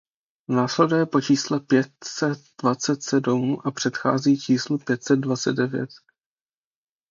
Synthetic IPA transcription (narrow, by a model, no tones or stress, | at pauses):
naːslɛdujɛpo̞t͡ʃiːslɛpjɛt̪sɛt̪̚d̥vat͡sɛt̪sɛdumʔapr̝̥ɛt̪xa̰ːziːt͡ʃiːslupjɛt̪sɛd̪̚dvat͡sɛd̪̚dɛvjɛ̰t̪